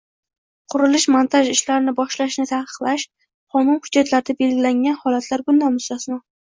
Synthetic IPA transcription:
qʰʊɾɪlɪʃmant̪ʰaʒɪʃlaɾɪnɪbɒʃlaʃnɪt̪ʰahqʰɨ̥qlaʃ | qʰɒnʊnhʊd͡ʒːat̪ʰlaɾɪd̪abe̞lɡʲɪlaŋʲanhɒlat̪ʰlaɾɡʊnːamʊsɒsnɒ

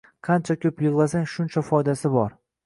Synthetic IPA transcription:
qʰɑnt͡ʃʰakʲʰɵpjɨʁlˠasaŋʲʃʊnt͡ʃʰafɒjd̪asɪbɒɾ

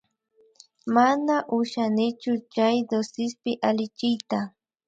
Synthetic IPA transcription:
manaʔʊʃanɪt͡ʃʊt͡ʃajd̪osɪspɪʔalɪt͡ʃɪjt̪a

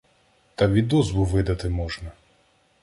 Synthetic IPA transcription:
t̪ɐʋʲid̪ɔzbʊʋɪd̪ɐt̪ɪmɔʒnɐ

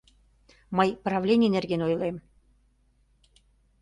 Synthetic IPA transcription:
mɤjprɑvlʲenʲijnerɣenojlem

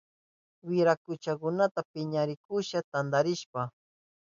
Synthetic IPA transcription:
wɪɾakʊt͡ʃakʊnat̪apɪɲaɾɪkʊʃat̪and̪aɾɪʃpa

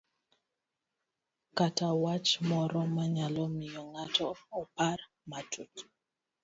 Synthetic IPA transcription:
katawat͡ʃmɔɾɔmaɲalɔmɪjɔŋatʰɔːpar | matut

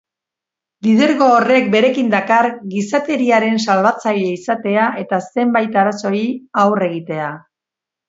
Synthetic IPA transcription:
lið̞e̞ɾɣoːre̞k̚be̞ɾe̞kind̪akaɾɡisat̪e̞ɾiaɾe̞nsalβat͡saʎe̞isat̪e̞aʔe̞t̪ase̞mbajt̪aɾaso̞iawre̞ɣ̞it̪e̞a

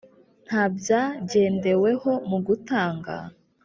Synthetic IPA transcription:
n̥habjaɟe̞ːnde̞we̞ho̞muɡutaːŋɡa̰

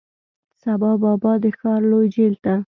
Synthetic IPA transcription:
sabɑbɑbɑd̪əxɑɾlojd͡ʒelt̪a

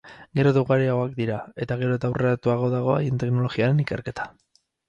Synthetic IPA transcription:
ɡe̞ɾo̞ðewɣaɾeaɣoak̚d̪iɾae̞t̪aɣ̞e̞ɾo̞t̪awrʔeat̪uaɣ̞o̞ðaɣ̞o̞a̰jent̪e̞kno̞lo̞ɣiaɾe̞nike̞ɾke̞t̪ʰḁ

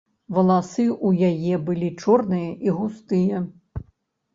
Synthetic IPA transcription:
vɐlˠasɨʔujajɛbɨlʲit͡ʂɔrnɨjɐʔiɣust̪ɨjɐ

